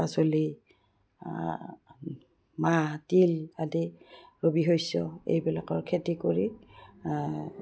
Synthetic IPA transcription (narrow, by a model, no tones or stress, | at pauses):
asoli | matiladiɹobiɦojsɔḛjbɛlakɔɹkʰetikoɹi